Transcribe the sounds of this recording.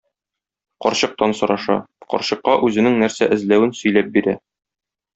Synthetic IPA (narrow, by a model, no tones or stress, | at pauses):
qɒɾɕɤ̆q̚t̪ɑnsɤ̆ɾɑʃɑ̰qɒ̰ɾɕɤ̆qːɑʔʉzɘ̆nɘŋnæɾsæʔɘ̆zlæwɘnsɵ̆jlæp̚biɾæ